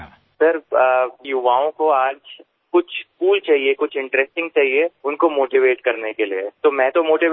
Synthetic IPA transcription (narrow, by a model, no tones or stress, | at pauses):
sɐɾjʊʋaːõkoaːd͡ʒ | kʊt͡ʃʰskuːlt͡ʃaːɦiekʊt͡ʃʰɪ̃ɳʈɾɛsʈɪ̃ŋɡ̚t͡ʃaːɦieʊnkomoːʈiʋeːʈkɐɾnekeliḛt̪omɛ̃ːt̪omoːʈiʋ